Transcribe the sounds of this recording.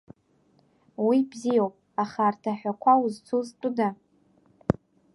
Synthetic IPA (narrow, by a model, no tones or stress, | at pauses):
wibzijowpʼ | aχartʰaħʷᶣakʷʰauzt͡sʰuztʷʼʊda